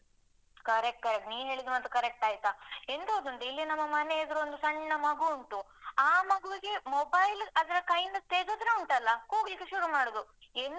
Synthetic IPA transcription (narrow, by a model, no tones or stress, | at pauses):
kɐɾek̚ʈ̚kɐɾek̚ʈniːʋɦe̞ːɭid̪umɐt̪ːukɐɾek̚ʈaːjit̪aend̪oːd̪ɐnt̪eilːinɐmːɐmɐneid̪ɾuond̪usɐɳd͡ʒɐnɐmɐɡuuɳʈu | aːmɐɡuʋiɡe̞mobɐjlɐd̪ɐɾɐkɐjɳɖt̪eɡod̪ɾeuɳʈɐlːɐkoːɡlikːeʃuɾumaːɽod̪uenː